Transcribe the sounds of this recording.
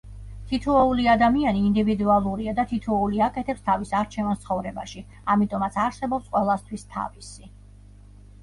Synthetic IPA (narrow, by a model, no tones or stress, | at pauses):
t̪ʰit̪ʰuɔuliad̪amianiːnd̪ivid̪ualˠuɾiad̪at̪ʰit̪ʰɔuliakʼɛt̪ʰɛpst̪ʰavisaɾt͡ʃʰɛvanst̪sʰχɔvɾɛba̰ʃi | amit̪ʼɔmat̪sʰaɾsɛbɔpsqʼwɛlˠast̪ʰwist̪ʰa̰visi